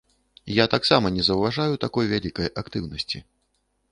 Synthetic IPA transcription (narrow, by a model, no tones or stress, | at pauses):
jat̪aksamɐnʲɛzɐwvaʐajut̪akɔjvʲalʲikɐjʔakt̪ɨwnɐsʲt͡sʲḭ